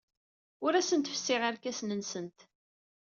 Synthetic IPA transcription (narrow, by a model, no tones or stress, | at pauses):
ʊɾæsənt̪əfsːɪʁaɾkæsnənsənt̪